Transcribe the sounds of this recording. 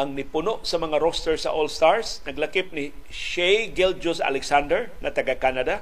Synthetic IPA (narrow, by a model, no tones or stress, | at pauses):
aŋnɪpʊnoʔsɐmɐŋaɾost̪ɛɹsa̰ʔolst̪aɹsnɐɡlakɪp̚nɪ | ʃejɡɛld͡ʒʊsa̰lɛksand̪ɛɹŋat̪ɐɡakanad̪a